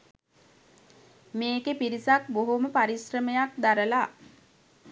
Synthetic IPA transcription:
meːkepiɾisakboɦoməpaɾisrəmejakd̪aɾəla

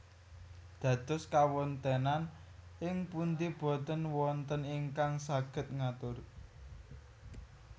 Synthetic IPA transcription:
d̪̥ä̤d̪̥ʊ̤skawɔnt̪enanʔɪŋpunt̪ib̥o̤t̪ənwɔnt̪əniŋkaŋsaɡ̥ə̤t̪̚ŋat̪ʊr

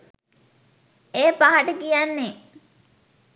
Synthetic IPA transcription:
eːpaɦaʈəkijanːe

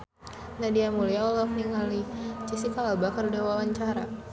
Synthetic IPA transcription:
nadiamuliaulahniŋalit͡ʃisikaːlbakərdawawaɲt͡ʃaɾa̰

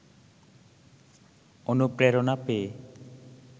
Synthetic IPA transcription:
onupɾeɾonapee

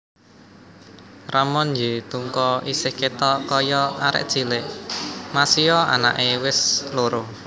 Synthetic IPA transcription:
ramɔnjet̪uŋkɔʔisɪhket̪ɔkɔjɔaɾɪ̰ʔd̥ʒ̥i̤lɪʔmasiɔa̰na̰ʔewɪsloɾʊ

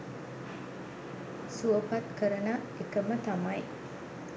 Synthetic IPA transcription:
suopat̪kəɾəna | ekəmət̪amɐj

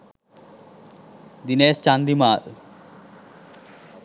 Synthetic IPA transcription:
d̪inest͡ʃand̪imaːʔ

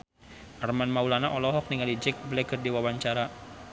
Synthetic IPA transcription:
ʔarmanmaulanaʔɔlɔɦɔk̚niŋalid͡ʒɛk̚blɛɡərdiwawaɲt͡ʃaɾa

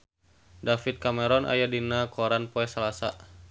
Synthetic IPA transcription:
dafit̪̚kamɛɾɔnʔa̰jadinakɔɾanpɔɛsalasa

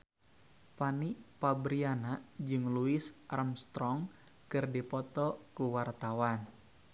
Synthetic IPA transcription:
paniʔpabɾianad͡ʒɨŋluɪsaramst̪ɾɔŋ | kɨrdipɔt̪ɔkuwart̪awan

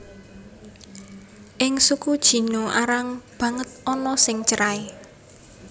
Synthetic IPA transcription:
ʔɪŋsukud̥ʒ̥i̤noʔaɾaŋb̥ä̤ŋət̪̚ɔnɔsɪŋt͡ʃəɾae

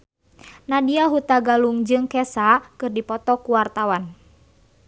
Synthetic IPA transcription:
nadiaɦut̪aɡaluŋd͡ʒɨŋkɛsakɨrdipɔt̪ɔkuwart̪awan

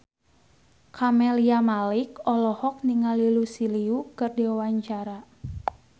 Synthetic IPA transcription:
kʰamɛliamalikɔlɔhɔk̚niŋalilusiliukɨrdiawaɲt͡ʃaɾa

